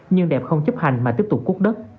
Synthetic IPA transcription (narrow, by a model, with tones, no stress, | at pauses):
ɲɨ˧ŋɗɛ˨˩p̚xə˧wŋ͡mt͡ɕə˦˥p̚ha˨˩jŋ̟maː˨˩t̪i˦˥əp̚t̪ʊ˨˩k͡p̚ku˦˥k̚ɗə˦˥t̚